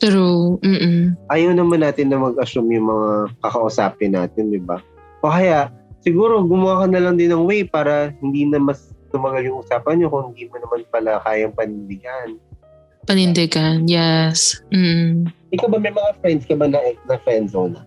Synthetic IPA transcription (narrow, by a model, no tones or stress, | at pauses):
t̪ɛɾom̩ːʔ̩ʔajɐwnɐmanːaːt̪ɪnːɐmɐɡʔɐsʊmjʊŋmɐŋakɐkɐʔʊsaːpɪnːa̰ːt̪ɪnd̪ɪba | ʔokɐjaʔsɪɡuːɾo̞ɡʊmʊwaːkɐnɐlɐŋd̪ɪnːɐŋwɛjpaːɾɐhɪnd̪iːnɐmɐst̪ʊmɐɡaljʊŋʔʊsaːpɐnɲokoŋhɪnd̪iːmonɐmanpɐlakaːjɐŋpɐnɪnd̪ɪɡan | pɐnɪnd̪ɛɡɐnjɛsm̩ːʔɪkɐwbɐmɐjmɐŋafɾɛnd̪skɐbanɐnɐfɛnd̪zonɐ